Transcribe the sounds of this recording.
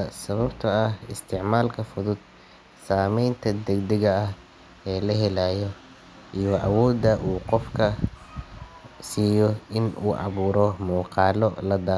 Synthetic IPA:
ɐsɐβɐbt̪ʰɐɐɦɪ̰st̪ʰɪʕmaːlkʰɐfʊðʊd̪̥̚ | saːmɛjnt̪ʰɐd̪ɐɡd̪ɐɣɐɐh | ɛːlɐɦɛlaːjɔ | ʔijɔʔɐwɔːd̪ɐʔuːqɔfkʰɐ | siːjɔɪnuːʔɑ̰βuːɾɔmuːqɑːlɔlɐd̪aː

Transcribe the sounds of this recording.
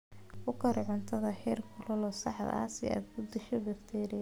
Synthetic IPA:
ʊkʰɐɾʕʊnt̪ʰɐðɐħɛːrkʰʊlɐlɔːsɑħd̪ɐ̰ɐ̰sɛ̰a̰ːd̪bʊd̪ɪʃɔbɪft̪ʰɛːɾi

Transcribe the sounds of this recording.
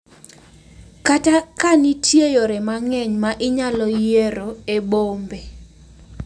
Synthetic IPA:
katakanitʰjejoɾɛmaŋɛɲmaʔɪɲalɔjeɾoebombe

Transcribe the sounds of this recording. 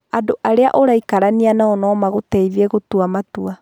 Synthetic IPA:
adoʔaɾea̰ʔoɾaikaɾanianaɔnɔːmaɣotɛiðieɣotuamatua

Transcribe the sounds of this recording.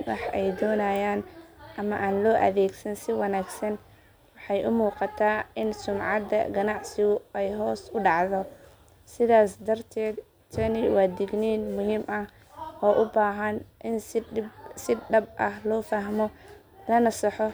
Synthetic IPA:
wɑ̰ħɛjd̪ɔːnajaːnʔɐmɐʔaːnlɔːʔɐ̰ðɛːɡsɐnsɪwɑnaːɡsɐn | wɑħɑjʔʊmuːqɑt̪ʰaːʔɪnsʊmʕɑd̪ɐ̰ɡɐnɑʕsɪɣʊɛjɦɔːsʊɖɑʕðɔ | sɪðaːsd̪ɐrt̪ʰɛːd̪ | t̪ʰɐnɪwaːd̪ɪɡniːnmʊɦiːmʔɐh | ʔɔːʔʊbaːɦɐnʔɪn | sɪɖɐb̚ʔɐhlɔːfɐɦmɔ | lɐnɐsɑħɔ

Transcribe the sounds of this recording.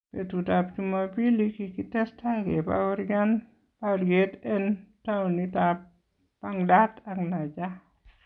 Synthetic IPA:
petutap̚t͡ʃumapilikikitɛstaɡeba̰wɾɡan | pawɾɡetɛntawnitap̚ | paŋdataŋlad͡ʒa

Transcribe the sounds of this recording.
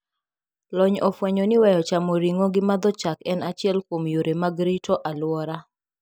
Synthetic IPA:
lɔɲɔfwɛɲɔnɪwɛjɔt͡ʃamɔɾiŋoɡɪmad̪ɔt͡ʃakɛnat͡ʃɪɛlkomjoɾemaɡɾitʰɔʔalwɔɾa

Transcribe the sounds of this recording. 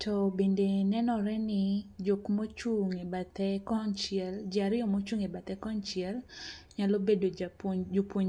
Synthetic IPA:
tʰobendenɛnɔɾɛnɪd͡ʒokmot͡ʃuŋebat̪ɛkɔnt͡ʃɛld͡ʒɪaɾɪɔmot͡ʃuŋebat̪ɛkɔnt͡ʃɪɛlɲalobedod͡ʒopwoɲ

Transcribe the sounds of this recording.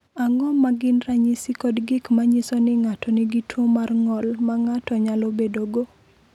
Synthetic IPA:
aŋɔmaɡɪnraɲɪsikɔdɡɪkmaɲɪsɔnɪŋatɔnɪɡitwomarŋɔlmaŋatɔɲalɔbedoɡo

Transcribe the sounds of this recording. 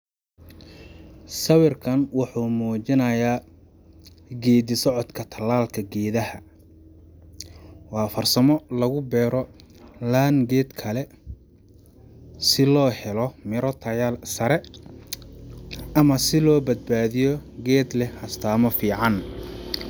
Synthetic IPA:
sɐwɪrkʰɐnwɑħuːmuːt͡ʃɪnɐjaː | ɡɛːd̪ɪsɔʕɔd̪kʰɐt̪ʰɐlaːlkʰɐɡɛːðɐhɐ | wɑːfɐrsɐmɔlɐɣʊbɛːɾɔlaːnɡɛːd̪kʰɐlɛ | sɪlɔːhɛlɔmɪɾɔt̪ʰɐjalsɐɾɛ | ɐmɐsɪlɔːbɐd̪̚baːðɪjɔɡɛːd̪lɛhɐst̪ʰaːmɔfiːʕɑn

